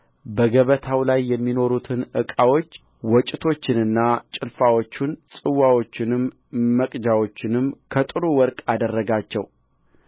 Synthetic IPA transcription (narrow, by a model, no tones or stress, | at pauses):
bəɡəβət̪ʰawlajːɛmːino̞ɾut̪ʰɨnʔɨkʼawo̞t͡ʃː | wɔt͡ʃʼɪt̪ʰo̞t͡ʃːɪnɨnːat͡ʃʼɪlfawo̞t͡ʃːunsʼɨwːawo̞t͡ʃːɪnɨmː | əkʼd͡ʒawo̞t͡ʃːɪnɨmkʰət̪ʼɨɾuwɔɾkʼad̪ərːəɡat͡ʃːɛ̰w